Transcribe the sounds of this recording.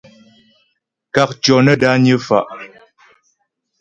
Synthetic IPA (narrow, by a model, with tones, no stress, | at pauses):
ka˨k̚t͡ʃɔ˨nə˦da˦ɲə˦fa̰˨ʔ